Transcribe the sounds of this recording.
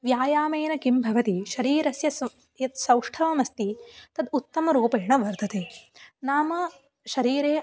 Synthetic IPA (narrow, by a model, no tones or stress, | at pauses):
ʋjaːjaːmeːnɐkimbʱɐʋɐt̪iʃɐɾiːɾɐsjɐs | jɐt̪sɐwʂʈʰɐʋɐmɐst̪it̪ɐd̪ut̪ːɐmɐɾuːpɐjɐɳɐʋɐɾd̪ʱɐt̪eːnaːmɐ | ʃɐɾiːɾeː